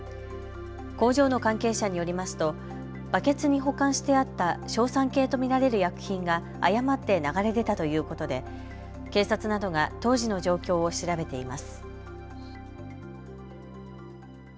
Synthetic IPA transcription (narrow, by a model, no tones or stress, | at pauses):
ko̞ːʑo̞ːno̞kãŋke̞ːɕaɲ̟ijo̞ɾʲimasɨ̥t̪o̞ | b̥ake̞t͡sɨɲ̟iɦo̞kãɰ̃ɕi̥t̪e̞at̪ːaɕo̞ːsãŋke̞ːt̪o̞mʲiɾaɾe̞ɾɯ̟jakɯ̟̥çĩŋɡaː | jamat̪ːe̞naɡaɾe̞d̪e̞t̪at̪o̞jɯ̟ːko̞t̪o̞d̪e̞ | ke̞ːsat͡sɨnad̪o̞ɡat̪o̞ːʑino̞ʑo̞ːkʲo̞ːoɕiɾabe̞t̪e̞imasɨ̥